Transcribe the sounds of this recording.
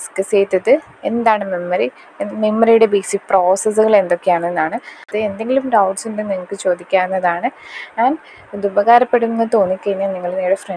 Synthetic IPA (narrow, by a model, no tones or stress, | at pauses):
skːɐseːt̪ːɐðɨ | e̞nd̪aːɳɨmemːɐɾi | memːɐɾijuɽe̞biːsikpro̞ːsɐs̬ɨɣɐɭe̞nd̪o̞kːejaːɳenːaːɳɨðɨend̪e̞ŋɡilumɖɐwʈsinɖeniŋɐɭkːɨt͡ɕo̞ːd̪ikʲːaːɾnːɐðaːɳɨaːn | d̪ubɐɣaːɾɐpːe̞ɽunenːɨt̪o̞ːnːikːenɐniŋːɐɭneːɽefre